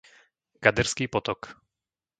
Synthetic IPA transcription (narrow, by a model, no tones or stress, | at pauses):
kad̪ɛɾskiːpɔt̪ɔk